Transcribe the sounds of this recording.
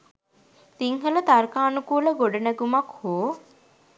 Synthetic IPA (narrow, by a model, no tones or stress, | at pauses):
t̪iŋɦələt̪ɐɾkaːnukuːləɡoɖɐnæɡumɐkhoː